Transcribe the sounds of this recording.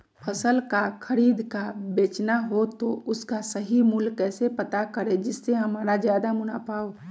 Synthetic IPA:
pʰəsəlkakʰəɾiːd̪kabeːt͡ʃnaɦot̪oʊskasəɦimʊlkɛːsepət̪akəɾed͡ʒɪsːeɦɐmaːɾazjaːd̪amʊnapaːoː

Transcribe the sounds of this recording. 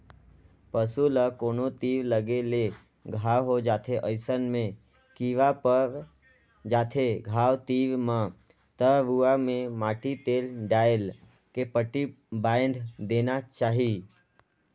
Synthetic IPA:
pəsuləkonot̪iːʋləɡele | ɡʱaʋɦod͡ʒaːt̪ʰeʔəɪsənmẽ | kiʋapəɾ | d͡ʒaːt̪ʰeɡʱaʋt̪iʋmã | t̪əʋuamẽmaʈit̪elɖael | kepəʈi | baj̃nd̪ʱd̪enat͡ʃaːɦi

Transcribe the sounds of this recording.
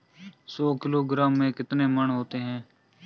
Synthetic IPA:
soːkɪloːɡɾaːmːẽːkɪt̪neːməɳɦoːt̪eːɦɛ̃ː

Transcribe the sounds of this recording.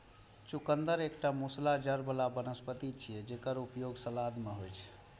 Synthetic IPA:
t͡ʃukənd̪əɾekʈamuslad͡ʒəɾbəlabənəspət̪it͡ʃʰijɛd͡ʒekəɾupjoɡsəlad̪meɦojt͡ʃʰ

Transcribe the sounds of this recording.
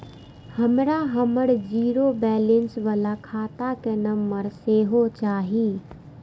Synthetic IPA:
həmɾaɦəməɽd͡ʒiɾobɛlensʋəlakʰaːt̪akenəmːəɾseɦot͡ʃaːɦi

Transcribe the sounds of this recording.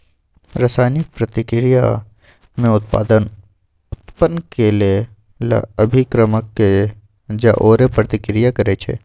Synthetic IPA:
ɾəsaːjnɪk̚pɾət̪ɪkɾija | mẽʊt̪̚pa̰ːd̪ən | ʊt̪pənːkelie | la̰əbʱikɾəməkːe | d͡ʒaʔoːɾepɾət̪ɪkɾijakɐɾet͡ʃʰḛː

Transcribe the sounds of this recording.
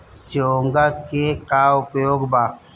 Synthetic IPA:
d͡ʒoːŋɡakekaːʊpjoːɡba

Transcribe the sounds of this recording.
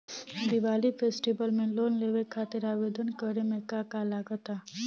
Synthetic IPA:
d̪ɪʋaːlipʰeːsʈibəlmẽloːnleːʋekʰaːt̪ɪɾaːʋeːd̪ənkəɾemẽkakalaːɡət̪aː

